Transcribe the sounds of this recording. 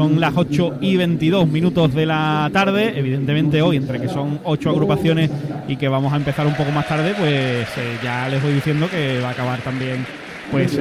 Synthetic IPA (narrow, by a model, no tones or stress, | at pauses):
o̞ŋlaso̞t͡ʃoiβ̞e̞nt̪iðo̞ɦmĩnut̪o̞ɦðe̞lat̪aɾð̞e̞ʔeβ̞iðe̞nt̪e̞mẽnt̪e̞o̞jent̪ɾe̞ke̞so̞ŋo̞t͡ʃoaɣɾupaθjo̞ne̞sike̞β̞amosaempe̞θaɾumpo̞ko̞mast̪aɾðe̞pwe̞sʝale̞zβojðiθje̞nd̪oke̞βaːkaβaɾt̪ambje̞ŋ | pwe̞s